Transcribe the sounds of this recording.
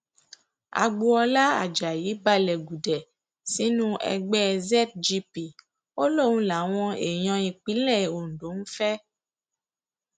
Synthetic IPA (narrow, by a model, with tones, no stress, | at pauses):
a̰˨ɡ͡bu˧ɔ˧la˦a̰˨d͡ʒa˨ji˨˦ba˦lɛ˨ɡu˨dɛ˨ | si˨˦nũ˦ɛ̰˧ɡ͡bɛ˦zɛ˦t̚d͡ʒi˧pi˦˨ | o˦lo˦˨wũ˦la˨˦w̃ɔ̃˧ḛ˨j̃ɔ̃˧ĩ˧k͡pi˨˦lɛ˦˨o˨n̩˨do˨˦n̩˦fɛ˦